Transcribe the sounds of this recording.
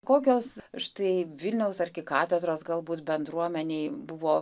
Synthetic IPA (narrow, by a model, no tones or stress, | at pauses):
koːkʲoːsʃt̪ɐɪʋʲɪlʲnʲɛʊsɐrʲɡʲɪkɑːt̪ʲɛd̪ɾoːsɡɐlˠbuːt̪bʲɛnd̪ɾuɔmʲɛnʲeɪbʊʋoː